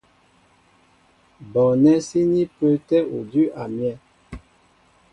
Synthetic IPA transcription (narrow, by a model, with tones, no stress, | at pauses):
bɔ˨nɛ˦si˦ni˦pə˦tɛ˦o˨dy˦ʔa˨mjɛ˦˨